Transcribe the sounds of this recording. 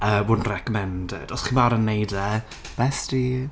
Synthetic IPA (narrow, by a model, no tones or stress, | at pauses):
əːwʊːdn̩rɛkɔmɛndɪ̰d̥ɔsχimaɾənːejdɛ | b̥ɛstiː